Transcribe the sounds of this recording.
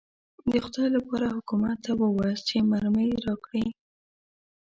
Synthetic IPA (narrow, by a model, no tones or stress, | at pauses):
d̪əxʊd̪ɑjlapɑɾahʊkumat̪ːawəwast͡ʃemaɾməjɾɑkɽi